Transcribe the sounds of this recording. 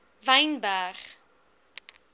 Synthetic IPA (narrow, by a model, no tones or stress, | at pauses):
vɛjnbæχ